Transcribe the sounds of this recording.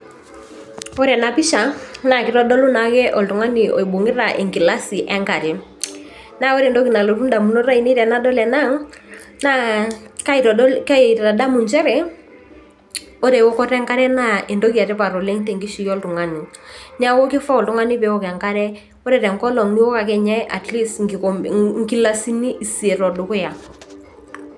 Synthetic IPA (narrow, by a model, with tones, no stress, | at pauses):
o˦ɾɛ˨na˨pi˦ʃa˨na˨kɪ˨ɾɔ˦dɔ˦lu˦na˨kɛ˦ʔɔ˨ltu˨ŋa˦nɪ˨ʔɔ˨i˨bo˨ŋɪ˦ɾa˨ʔe˨ŋɡi˨la˦si˨ʔɛ˦ŋka˨ɾɛ˨ | na˦o˦ɾe˨ndo˦ki˨na˨lo˨ɾu˦da˨mu˨no˦ɾa˦i˨ne˦ɾɛ˨na˦dɔ˦lɛ˨na˦ŋ | na˦ka˦i˨ɾɔ˨˦ka˦e˨i˨ta˨ɾa˨da˦mu˨nt͡ʃɛ˦ɾɛ˨ | o˦ɾɛ˨wo˦kɔ˦ɾɛ˦ŋka˦ɾɛ˦na˦ʔe˨ndo˦ki˨a˨ɾɛ˦pa˨ɾo˨le˦ŋtɛ˨ŋɡi˦ʃi˦jɔ˦ltʊ˨ŋa˦ni˨ɲa˦wo˦kɪ˦fa˦ɔ˨ltʊ˦ŋa˦nɪ˦pɛ˨˦o˦˨kɛ˨ŋka˦ɾɛ˦ | o˦ɾɛ˨ɾɛ˨ŋkɔ˦lɔ˨ŋni˦o˦ka˨kɛ˦ɲɛ˦ʔa˨tli˦sŋɡi˦la˦si˦ni˦ʔi˨si˨e˨ɾɔ˨dʊ˨kʊ˦ja˨